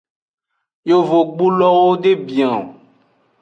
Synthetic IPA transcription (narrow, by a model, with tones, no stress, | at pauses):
jo˦vo˨ɡ͡bu˦lɔ˦wo˦ɖe˦bi˨ã˨o˨